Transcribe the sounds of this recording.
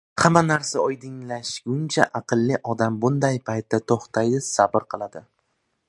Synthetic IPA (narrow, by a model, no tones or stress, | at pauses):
hamanaɾsaɒjd̪ɪŋlaʃɡʊnt͡ʃʰaʔɑqʰɨlˠːɪʔɒd̪ambʊnd̪ajpʰajt̪ʰːat̪ʰoχt̪ʰajd̪ɪsabɪɾqʰɨlˠad̪ɪ